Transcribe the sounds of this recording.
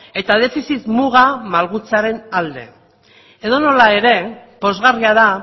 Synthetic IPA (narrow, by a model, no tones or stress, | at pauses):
e̞t̪aðe̞fisit̪muɣamalɣut͡saɾe̞nald̪e̞̰ | e̞ðo̞no̞lae̞ɾe̞po̞zɣariaða